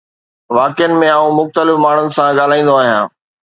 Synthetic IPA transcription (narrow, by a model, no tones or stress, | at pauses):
ʋaːkjənɪ̆mẽaːũmʊxt̪əlɪfmaːɳ̤ʊnɪ̆sãɠaːl̤aːĩːnd̪oaːɦijã̰ː